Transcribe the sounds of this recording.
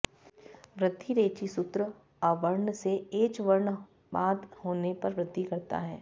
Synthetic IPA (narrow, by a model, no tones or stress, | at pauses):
ʋɾɪd̪ʱːiɾeːt͡ʃisʊt̪ɾə | ɔːɾʋɐɾɳseeːt͡ʃʋɐɾɳ | baːd̪hoːnepɐɾʋɾɪd̪ʱːikɐɾt̪a̰ɦɛ̰ː